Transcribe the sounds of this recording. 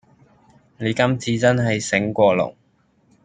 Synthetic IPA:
ne˨˧jkɐ˥mt͡sʰiː˨˧t͡sɐ˥nɦɐ˨jsɪ˨˥ŋkʷɔː˧lʊ̰˨˩ŋ

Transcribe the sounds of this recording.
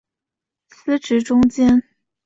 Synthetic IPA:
sɹ̩˥ʈ͡ʂɻ̩˧˥ʈ͡ʂʊ˥ŋt͡ɕjɛ˥n

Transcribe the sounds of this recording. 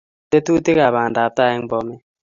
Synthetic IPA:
te˦tu˦tɪ˦ka˨ba˨nda˨p̚ta˦˨ɛ˦ŋbɔ˦mɛ˦

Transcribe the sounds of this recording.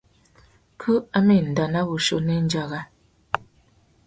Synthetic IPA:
kʰu˦a˦me˦˨n̩˨da˨na˦ɣu˨ʃo˦˨nɛ˦n̩˦d͡ʒa˨ɣa˦

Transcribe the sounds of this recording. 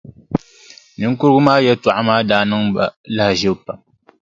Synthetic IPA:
nɨ˦ŋ̩˦kʊ˦ɾɨ˦ɡʊ˦maː˦jɛ˦tu˨ʔa˦maː˦daː˨nɨ˦ŋba˨la˦hʒɛ˦bpa˨

